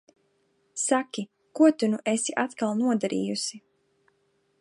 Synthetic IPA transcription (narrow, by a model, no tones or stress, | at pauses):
sakʲi | kuɔt̪unuʔesiʔat̪kalˠnuɔd̪aɾḭːjusi